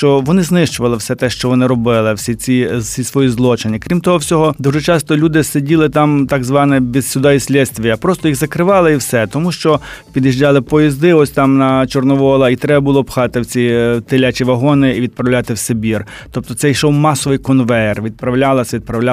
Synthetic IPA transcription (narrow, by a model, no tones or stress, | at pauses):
ʃt͡ʃɔʋɔnɪznɪʃt͡ʃʊʋɐlˠɪwsɛt̪ɛʃt͡ʃɔʋɔnɪɾɔbɪlˠɪwsʲit͡sʲisʲisʋɔjizlˠɔt͡ʃɪnʲikɾʲimt̪ɔɦɔwsʲɔɦɔd̪uʒɛt͡ʃɑst̪ɔlʲud̪ɪsedʲilˠɪt̪ɑmt̪ɑɡzʋɑnɛbʲizsʲʊd̪ɑisʲlʲɛsʲt̪ʲʋʲijɐpɾɔst̪ɔjiɣzɐkɾɪʋɑlˠɐiwsɛt̪ɔmuʃt͡ʃɔpʲid̪jiʒd͡ʒɑlˠɪpɔjizd̪ɪɔsʲt̪ɑmnɐt͡ʃɔrnɔʋɔlˠɐit̪ɾɛbɐbʊlˠɔpxɑt̪ɪwt͡sʲit̪ɪlʲat͡ʃiʋɐɦɔnɪiʋʲid̪̚pɾɐwlʲɑt̪ɪwsebʲir | tt̪ɔp̚t̪ɔt̪sɛjʃɔwmɑsɔʋɪjkɔnʋɛrʋʲid̪̚pɾɐwlʲɑlˠɐsʲʋʲid̪̚pɾɐwlʲa